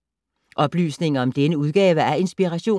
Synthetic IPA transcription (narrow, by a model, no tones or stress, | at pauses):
ʔɒ̽b̥ly̰ːsne̝ŋɐɒ̽md̥enəuð̞ˠɡ̥ɛːʋəæɐe̝nsb̥iʁæɕo̝̰ː